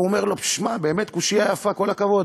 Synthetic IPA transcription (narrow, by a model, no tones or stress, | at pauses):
ome̞ʁlo̞pʃmabe̞ːme̞t̪kuʃijajafako̞lakavo̞d̪